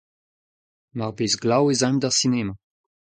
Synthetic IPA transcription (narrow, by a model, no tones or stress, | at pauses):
maʁbeːzɡlawezãmdaʁsineːma